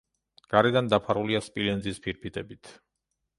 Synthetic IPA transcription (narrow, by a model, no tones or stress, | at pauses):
ɡ̥aɾɛd̪and̪apʰaɾuliaspʼilɛnzispʰiɾpʰit̪ʼɛbit̪ʰ